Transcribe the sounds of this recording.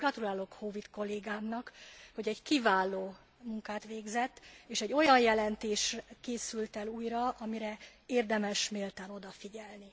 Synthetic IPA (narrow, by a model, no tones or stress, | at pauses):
ɡrɒt̪ulaːlo̞khovit̪ko̞lːeːɡaːmnɒkho̞ɟɛɟkivaːlːoː | muŋkaːt̪ʋeːɡzɛt̪ːeːʃɛɟːo̞jɒnjɛlɛnt̪eːʃkeːsylt̪ɛluːjrɒɒmiɾɛeːrd̪ɛmɛʃmeːlt̪aːno̞d̪ɒfiɟɛlni